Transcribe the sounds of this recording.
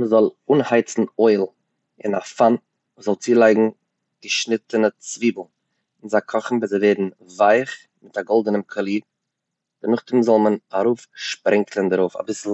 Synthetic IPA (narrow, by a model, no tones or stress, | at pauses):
məzɔlˠuːnhaɪt͡sn̩ɔɪlˠ | ɪ̰nafan | vuːszɔlˠt͡siːlˠaɪɡŋ̩ | ɡ̥əʃnɪtənət͡sviːbl̩ˠ | ɪnzakʰɔχn̩vɪzeɪveɪdn̩ | vaɪχ | mɪtaɡɔlˠdənəmkʰɔlˠiː | d̥ɪnʊχtɪmzɔlˠmənaɾuːfʃpɾʔɛŋkʰlˠəndəɾoʊfa̰bɪsl̩ˠ